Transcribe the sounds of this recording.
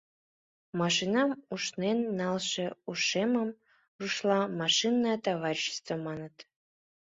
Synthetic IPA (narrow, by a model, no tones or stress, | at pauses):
mɑʃinɑmuʃnenːɑlʃeuʃeməm | ruʃlɑmɑʃinːɑt̪ɑβɑɾʲiɕə̥st̪vəmɑnət̪